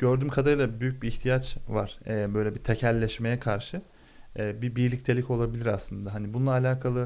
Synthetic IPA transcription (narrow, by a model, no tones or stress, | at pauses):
ɟ̥øɾd̪yːmkʰad̪aɾɯlˠabyjyc̚biːçt̪ʰijat͡ʃvaɾ̥ɛbø̞jlʲɛbit̪ʰecʰælʲːɛʃme̞jɛkʰaɾʃɯ | ɛːbibiɾlʲic̚t̪ʰe̞lʲico̞lˠabilʲiɾaslˠɯnd̪aɦanibununˠaːlʲaːkʰalˠɯ